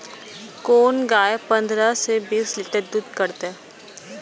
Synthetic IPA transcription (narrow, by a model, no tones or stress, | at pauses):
koːnɡaːjepə̃nd̪ɾasebiːslɪʈəɾd̪ud̪kəɾt̪eɛ